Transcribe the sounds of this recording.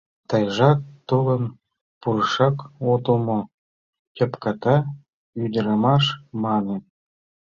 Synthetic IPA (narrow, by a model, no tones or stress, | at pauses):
t̪ɑjʒɑk̚t̪ulˠɤ̆n | purʂɑkod̪ɤ̆lmŏ | tʲɤ̆pkɑt̪ɑ | yd̪ʲɘ̆ɾɑmɑʂmɑnɤ̆